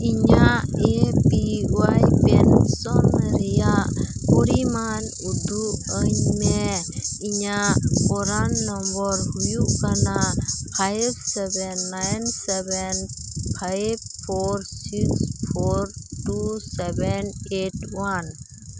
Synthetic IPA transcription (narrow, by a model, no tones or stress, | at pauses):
iɲaʔepiɡwajpɛnsɔnmɛɾɛjaʔkɔɾiman | ud̪ʱuʔəɲmɛiɲaʔpɔɾanːɔmbɔɾɦujuʔkanapʰajbsɛbɛnːajnsɛbɛnpʰajb̚pʰoɾsikspʰoɾʈusɛbɛneʈwan